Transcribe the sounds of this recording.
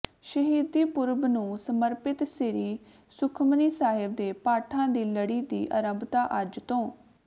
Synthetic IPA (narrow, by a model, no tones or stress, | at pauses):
ʃəɦiːd̪iːpʊɾbnũːsəməɾpɪt̪sɪɾiː | sʊkʰməniːsaːɦɪb̚d̪eːpaːʈʰãːd̪iːləɽiːd̪ḭːʔəɾə̃mbt̪aːʔəd͡ʒt̪õː